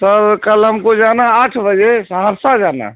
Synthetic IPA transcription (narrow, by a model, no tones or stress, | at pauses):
səɾkəlɦəmkod͡ʒanaaʈʰbəd͡ʒesɦəɾsad͡ʒana̰